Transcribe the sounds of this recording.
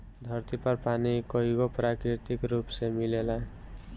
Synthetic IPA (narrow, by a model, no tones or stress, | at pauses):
d̪ʱʌɾt̪ipʌɾpanikʌɦikopɾakɾiɾt̪ikɾupsemilelã